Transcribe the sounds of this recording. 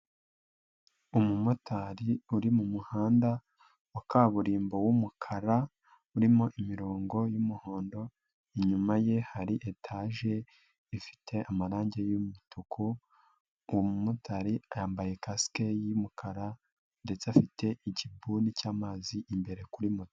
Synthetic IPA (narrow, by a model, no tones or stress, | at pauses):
umumutʰaɾiuɾimumuhaːnda | wakaːβuɾiːmbo̞wumukʰaɾa | uɾimo̞ʔimiɾoːŋɡo̞jumuho̞ːndo̞ | iɲumaje̞haɾiʔetʰaʒe̞ | ifi̥tʰe̞ʔamaɾaːɲɟe̞jumutʰukʰu | womumutaɾiajaːmbaje̞kasi̥ke̞jimukʰaɾa | nde̞t͡safite̞ʔicibunicaːmaːziʔimbe̞ɾe̞kuɾimut